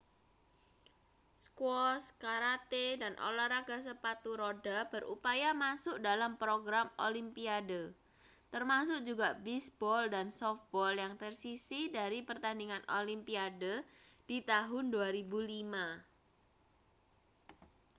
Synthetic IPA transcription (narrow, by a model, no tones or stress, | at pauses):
skwɔskaɾat̪edanʔo̰laɾaɡ̥as̬əpat̪uɾodab̥ərupajamasʊkdalampɾoɡɾamolimpiadə | t̪ərmasʊk̚d͡ʒuɡaʔbisbɔldansɔf̚bɔljaŋt̪ərsisidaɾipərt̪andiŋanʔolimpiadəd̥it̪aɦʊnduaɾibulima